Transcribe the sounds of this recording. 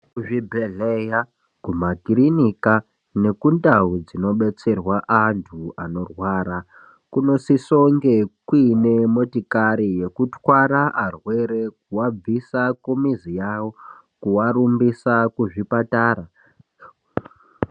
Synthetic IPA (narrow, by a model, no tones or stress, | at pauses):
kuʐibʱeɮeja | kumakirinika | ne̞kundaud͡zino̞ɓe̞t͡se̞rwaʔantʰuano̞rwaːɾa | kuno̞siso̞ŋɡekwine̞mo̞tikaɾije̞kutwaɾaʔarwe̞ɾe̞kuwab͡visakumizijawo | kuwaɾumbisakuʐipataːɾa